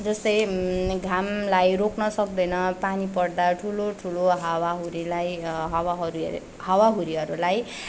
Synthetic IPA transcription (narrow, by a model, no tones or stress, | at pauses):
d͡zʌst̪ʌjɡʱamlajroknʌsʌk̚d̪ʌjnʌpanipʌɽd̪aʈʰuloʈʰuloɦawaɦuɾilajɦʌwaɦʌɾu | hʌwaɦuɾiɦʌɾulaj